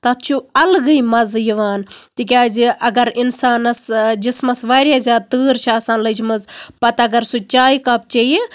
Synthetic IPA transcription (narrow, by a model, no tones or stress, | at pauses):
t̪ɐt̪t͡ʃʰuɐlɡɨjmɐzjiʋaːnt̪ik̬ʲaːziʔɐɡɐɾinsaːnɐsd͡ʒismɐsʋaːɾʲjaːzʲaːd̪̚t̪ɨːɾt͡ʃʰaːsaːnlɐt͡ʃʰimɐzpɐt̪ɐɡɐɾsut͡ʃaːjkɐp̚t͡ʃɐji